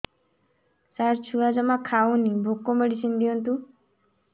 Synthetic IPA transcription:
saɾt͡ʃʰuad͡ʒɔmakʰawnibʱokːomeɽisʰind̪iɔnt̪u

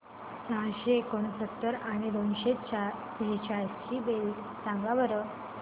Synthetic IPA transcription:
sãɕeːkoɽ̃əsət̪ːəɾaɽ̃id̪onɕet͡ɕa | bʱet͡ɕast͡ɕibel | sãŋɡaʋəɾə

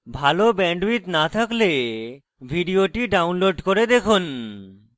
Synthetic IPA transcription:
bʱalobɛɳɖbit̪nat̪ʰakle | bʱiɖioʈiɖawnloɖkoɾed̪ekʰun

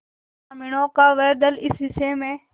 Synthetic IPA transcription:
amɪɳõːkaːʋeːd̪əlɪsɪseːmẽː

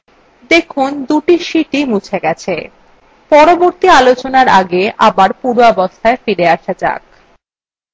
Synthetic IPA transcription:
d̪ekʰund̪uʈiʃiʈimut͡ɕʰeɡɛt͡ɕʰe | pɔɾoboɾt̪ialot͡ɕonaɾaɡeʔabaɾpuɾɔbost̪ʰaefiɾeaʃad͡ʑa̰k̚

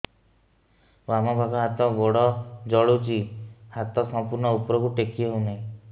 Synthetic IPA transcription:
wamɔbʱaɡɔɦat̪ɔbɔɽɔd͡ʒɔɭut͡ʃihat̪ɔsɔmpuɾɳɔupɔɾɔkuʈekʰieɦwnaĩ

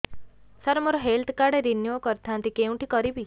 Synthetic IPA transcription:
saɾɔmɔɾɔɦelt̪ʰkaɽeɾinjukɔɾt̪ʰant̪ikeũʈikɔɾibi

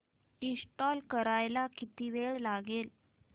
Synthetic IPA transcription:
isʈɔlkəɾajlakit̪iʋeɭlaɡel

